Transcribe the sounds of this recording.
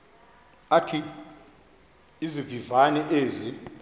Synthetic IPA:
atʰi | zivivanɛʔeːzi

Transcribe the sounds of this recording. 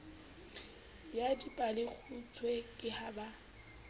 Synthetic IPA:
jadipʼalɪk͡xʰut͡sʰwekʼɪhaba

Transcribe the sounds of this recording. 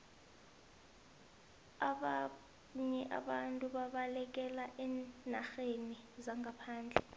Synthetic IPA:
aɓa | ɲɛʔa̰ɓantʼuɓaɓalɛk̬ɛlaʔɛːnaxenizaŋɡapʰaːnd͡ɮʱɛ

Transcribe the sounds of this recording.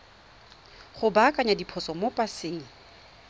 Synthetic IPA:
χʊbakʼaɲadipʰɔsɔmopʼasɪːŋ̩

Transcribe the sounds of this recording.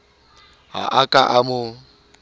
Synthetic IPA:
ɦa̰ʔakʼaʔamʊ

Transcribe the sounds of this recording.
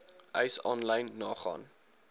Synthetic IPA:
ʔəjsɔnlɐjnːɑːχɑ̰ːn

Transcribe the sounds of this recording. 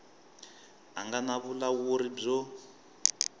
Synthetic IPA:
a̰ŋɡanaβulawoɾib͡ʐɔ

